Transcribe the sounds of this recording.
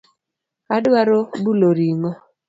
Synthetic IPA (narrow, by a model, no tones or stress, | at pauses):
adwaɾobuloɾiŋɔ